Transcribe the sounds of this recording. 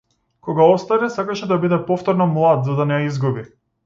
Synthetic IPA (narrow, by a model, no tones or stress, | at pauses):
kɔɡaɔst̪anɛsakaʃɛd̪abid̪ɛpɔft̪ɔɾnɔmlˠad̪zad̪anɛjaizɡubi